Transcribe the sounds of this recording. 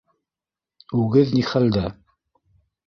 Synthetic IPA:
ʉɡɘðniχæld̪æ

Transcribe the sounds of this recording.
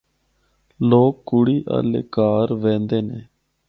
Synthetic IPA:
loːkːʊɽiːʔa̰ːlḛːkaːɾʋɛ̃ːnd̪eːneː

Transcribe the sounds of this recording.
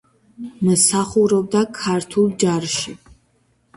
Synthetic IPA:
məsaχuɾɔb̚d̪akʰaɾt̪ʰulˠd͡ʒaɾʃi

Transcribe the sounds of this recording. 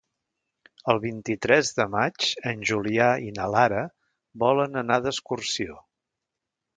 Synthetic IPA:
əlˠβint̪it̪ɾɛzðəmat͡ʃənʲʒuliainəlaɾə | bɔlənənaðəskursio

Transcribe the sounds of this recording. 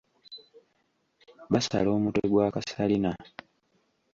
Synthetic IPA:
βasa̰lo̞ːmutoɡwaːkasalina

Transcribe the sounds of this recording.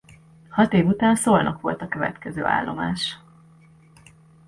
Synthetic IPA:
hɒt̪eːvut̪aːnsoːlnʔɒkʋo̞lt̪ɒkø̞vɛ̰t̪kɛzøːa̰ːlːo̞̰maːʃ

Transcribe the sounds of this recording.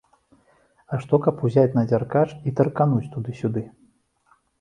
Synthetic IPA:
aʂt̪ɔkɐpuzʲat͡sʲnɐd͡zʲarkat͡ʂit̪ɐrkanut͡sʲt̪ud̪ɨsʲud̪ɨ

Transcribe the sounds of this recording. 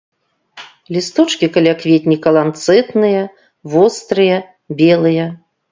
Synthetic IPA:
lʲist̪ɔt͡ʂkʲikɐlʲakvʲet̪ʲnʲikɐlˠant̪sɛt̪nɨjɐ | vɔst̪ɾɨjɐ | bʲɛlˠɨjɐ

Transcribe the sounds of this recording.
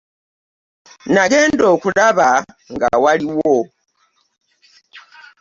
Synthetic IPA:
naɡɛːndokulaβa | ŋɡa̰waliwo

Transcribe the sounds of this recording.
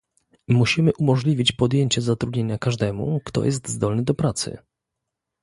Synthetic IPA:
muɕimɘʔumɔʐlʲivʲit͡ɕpɔd̪jeɲt͡ɕɛzat̪ɾud̪ɲeɲakaʐd̪ɛmṵkt̪ɔ̰jʔɛst̪zd̪ɔlnɘd̪ɔpɾat̪sɘ̰

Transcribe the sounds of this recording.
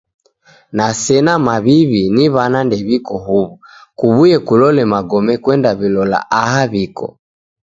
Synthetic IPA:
nasɛnamaβiβiniβanandɛβikɔɦuβukuβujɛkulɔlɛmaɡɔmɛkwɛndaβilɔla̰ʔaɦaβikɔ̰

